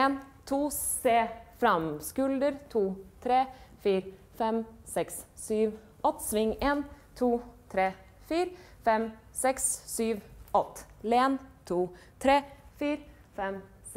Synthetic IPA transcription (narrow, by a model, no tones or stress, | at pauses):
eːnt̪ʰuːseːfɾɑmskʉld̪əɾt̪ʰuːt̪ʰɾeːfiːɾ | fɛmsɛkssyːʋ | ʔɔt̪ːsʋɪŋːeːnt̪ʰuːt̪ʰɾeː | fiːɾfɛm | sɛkssyːʋɔt̪ːleːnt̪ʰuː | t̪ʰɾeːfiːɾ | fɛm | s